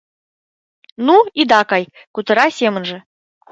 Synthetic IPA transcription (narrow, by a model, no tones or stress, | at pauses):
nuid̪ɑkɑj | kut̪ɤ̆ɾɑsʲemə̆nʐɘ̆